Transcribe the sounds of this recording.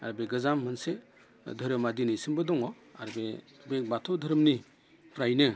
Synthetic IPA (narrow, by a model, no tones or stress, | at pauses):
a̰ɾbeɡɯzamːɯnse | dʱɯɾɯmadinisɯmbɯdɔŋɔ | a̰ɾbe | bek̚batʰɔdʱɯɾɯmni | pʰɾajnɯ